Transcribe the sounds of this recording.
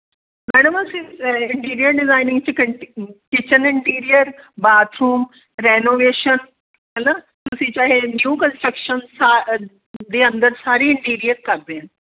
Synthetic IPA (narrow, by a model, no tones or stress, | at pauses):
mɛːɽəmɐsiɪɳʈiːɾijəɾɖɪzaːɪnɪ̃ŋɡt͡ɕi | kɪt͡ɕənɪɳʈiːɾijəɾbaːt̪ɾuːm | ɾenoːʋeːʃən | ɐnat̪ʊʊsĩt͡ɕaːɦenjuːkə̃nsʈɾəkʃənsa | d̪eːɐ̃nd̪əɾsaːɾiɪ̃ɳʈiːɾijəɾkaɾd̪eːn